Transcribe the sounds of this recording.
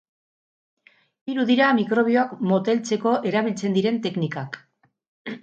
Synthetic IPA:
iɾuðiɾamikɾo̞β̞io̞akmo̞t̪e̞lt͡se̞ko̞ʔe̞ɾaβ̞ilt͡se̞nd̪iɾe̞nt̪e̞knikak

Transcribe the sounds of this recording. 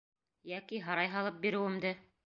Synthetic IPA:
jækiɦɑɾɑjɦɑlˠɤp̚biɾɘ̆wɘ̆md̪ɘ

